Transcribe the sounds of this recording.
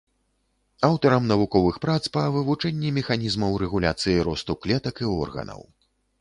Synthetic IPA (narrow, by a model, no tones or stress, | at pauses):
awt̪ɐɾɐmnɐvukɔvɨxpɾat̪spɐvɨvut͡ʂɛnʲːimʲɛxanʲizmɐwɾɛɣulʲa̰t̪sɨjiɾɔst̪uklʲɛt̪ɐkiɔ̰rɣɐ̰nɐ̰w